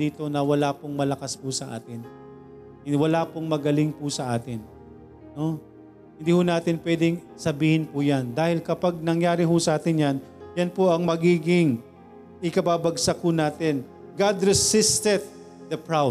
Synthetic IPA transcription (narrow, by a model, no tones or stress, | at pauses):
iːt̪o̞nɐwɐlapʊŋmɐlɐkaspʊsɐʔa̰ːt̪ɪn | wɐlaːpʊŋmɐɡɐlɪŋpʊsɐʔaːt̪ɪn | no̞ | hɪnd̪iːhʊnaːt̪ɪnpwɛːd̪ɛŋ | sɐbiːhɪnpʊjand̪aːhɪlkɐpaɡ̚nɐŋjaːɾɪɦʊsɐʔaːt̪ɪnjanjɐnpoʔɐŋmɐɡiːɡɪŋ | ʔɪkɐbaːbɐɡsɐkʊnaːt̪ɪn | ɡad̪ɾɛsɪst̪ɛd̪̚ | d̪ɐpɹaw